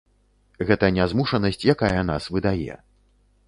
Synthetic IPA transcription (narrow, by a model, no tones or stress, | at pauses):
ɣɛt̪ɐnʲazmuʂɐnɐsʲt͡sʲjakajɐn̪asvɨd̪ajɛ̰